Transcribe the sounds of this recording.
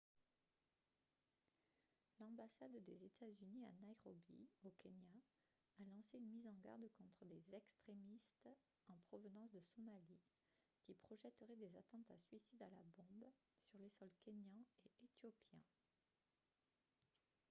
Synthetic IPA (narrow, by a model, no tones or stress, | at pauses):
lɑ̃basad̪d̪ezet̪ʰazynia̰najʁɔbḭokʲenja | alɑ̃seynmizɑ̃ɡa̰ʁd̪kɔ̃t̪χəd̪ezɛkst̪χemist̪ | ɑ̃pχɔvənɑ̃sd̪əsɔmali | kʲipχɔʒɛt̪əʁɛd̪ezat̪ɑ̃t̪a̰sɥisid̪ala̰bɔ̃b | syʁlesɔlkʲenjɛ̃eet̪jopʰjɛ̰̃